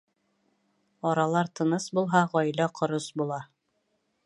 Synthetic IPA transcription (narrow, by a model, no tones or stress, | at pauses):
ɒɾɑlˠɑɾt̪ʰɤ̆nɤsbulˠɦɑʁɒjlɑqʰŏɾosbulˠɑ